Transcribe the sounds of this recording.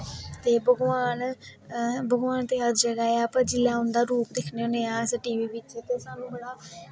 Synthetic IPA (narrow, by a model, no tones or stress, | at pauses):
t̪eːbəɡʋaːn | bəɡʋaːnt̪eːɦəd̪d͡ʒəɡaːeaːpːd͡ʒɪlːaːɦʊnd̪aːɾuːpd̪ekʰneoneːãːsəʈiːʋiːʋɪt͡ʃːt̪eːsaːnũːbəɽaː